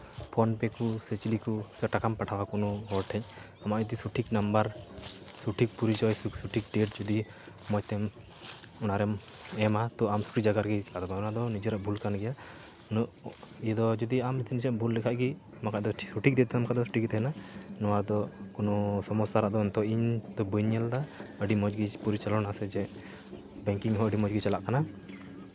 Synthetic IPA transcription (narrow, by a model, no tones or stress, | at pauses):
pʰɔnpɛkusɛt͡ʃilikusɛʈakampaʈʰawakɔnɔɦɔɾʈʰɛɲ | amait̪isuʈʰiknambaɾsuʈʰik̚puɾid͡ʒɔjssuʈʰik̚ɖɛʈ̚d͡ʒud̪i | mɔjt̪ɛm | ɔnaɾɛm | ɛmat̪ɔamsu̥ʈid͡ʒaɡaɾɡɛt͡ʃkad̪ɔbaɔnad̪ɔnid͡ʒɛɾaʔbʱulkanɡɛja | nijɛd̪ɔd͡ʒɔd̪iamt̪ʰinid͡ʒɛʔbʱulːɛkʰaʔɡi | makaʔd̪ɔsuʈik̚d̪ɛt̪ɛɛmkʰaʔd̪ɔsuʈikt̪ɛɛnanɔwaɾd̪ɔkɔnɔsɔmɔsaɾaʔd̪ɔɛnt̪ɔiɲd̪ɔbəɲɛld̪aəɖimɔd͡ʒɡipuɾit͡ʃalɔnasɛd͡ʒɛ | bɛŋkiŋɦɔəɖimɔd͡ʒɡit͡ʃalaʔkana